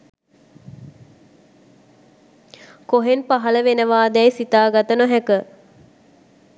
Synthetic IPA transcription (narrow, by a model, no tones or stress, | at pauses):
koɦenpaɦaləʋenəʋaːd̪ɛjsit̪aːɡat̪ənoɦækə